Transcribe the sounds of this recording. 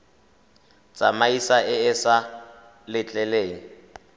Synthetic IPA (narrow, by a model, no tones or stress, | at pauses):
t͡sʼamaisaɪɪsa | lɪt͡ɬʼɛleːŋ̩